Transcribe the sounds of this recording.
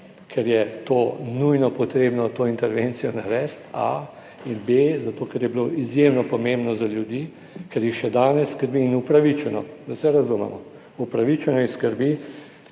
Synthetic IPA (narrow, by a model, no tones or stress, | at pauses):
kʰɛɾjɛt̪oːnujnɔpɔt̪ɾeːbnɔt̪oint̪ɛɾʋent̪sijɔnaɾɛst̪a̰ | inbezat̪oːkɛɾjɛbiloʔizjemnɔpɔmẽmbnɔzaljud̪iː | kɛɾjixʃɛd̪aːnɛsːkəɾbiːnupɾaʋit͡ʃɛnɔ̰zasɛɾazumɛ̰mɔ | upɾaʋit͡ʃɛnɔixskəɾbi